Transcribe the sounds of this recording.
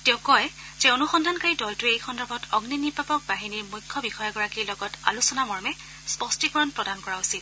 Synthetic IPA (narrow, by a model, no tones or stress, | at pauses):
tɛʊkɔj | zɛonuxɔndʱankaɹidɔltʊejxɔndɔɹbʱɔtʰɔɡninibapɔk̚baɦiniɹmujkʰːɔbixɔjɔɡɔɹakiɹlɔɡɔta̰lusɔnamɔɹmɛ | spɔstikɔɹɔnpɹɔdankɔɹausit